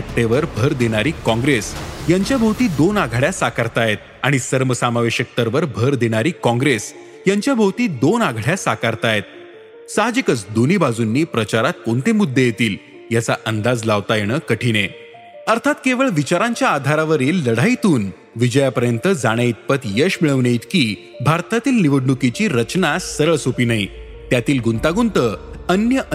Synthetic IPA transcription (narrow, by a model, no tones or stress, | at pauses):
ep̚t̪eʋəɾbʱəɾd̪eɽ̃aɾiːkɔ̃ŋɡɾesjaɲt͡ɕjabʱowt̪iːd̪onaɡʱɭjasakaɾt̪ajet̪̚ | aɽ̃isəɾməsamaʋeɕək̚t̪əɾʋəɾbʱəɾd̪eɽ̃aɾiːkɔ̃ŋɡɾes | jaɲt͡ɕjabʱəwt̪iːd̪onaɡʱɭjasakaɾt̪ajet̪̚ | sad͡ʑikət͡sd̪oniːbad͡zunːiːpɾət͡ɕaɾat̪̚koɳt̪emud̪ʱːejet̪iːl | jat͡saʔənd̪ad͡zlaʋt̪ajeɽ̃əkəʈʰine | əɾt̪ʰat̪keʋəɭʋit͡ɕaɾãɲt͡ɕjaːd̪ʱaɾaʋəɾiːlːəɽ̤ajt̪uːn | ʋid͡ʑəjapəɾjənt̪əd͡zaɽ̃eit̪̚pət̪jəɕmiɭəʋnejt̪kiː | bʱaɾt̪at̪iːlniʋəɽɳukit͡ɕiːɾət͡ɕnasəɾəɭsopiːnai | t̪jat̪iːlɡunt̪aɡunt̪əːənjəʔ